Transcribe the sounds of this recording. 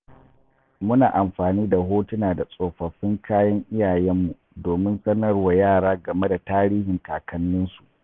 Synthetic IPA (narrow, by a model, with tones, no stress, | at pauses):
mʊ˦naː˨ʔa˨mɸaː˨niː˦da˨ɦoː˦tʊ˦naː˨da˨sʼoː˨ɸɐ˨ɸɪ˦ŋkʰaː˦jɐ˦ŋʔɪ˦jaː˨jɛ˦mːu˨ | doː˨mɪ˦nsɐ˦nɐ˦rwa˨jaː˦˨ɽaː˦ɡɐ˨me˦da˨taː˦ɾiː˦hɪ˨ŋkaː˨kʰɐ˦nːʊ˦nsu˨ʔ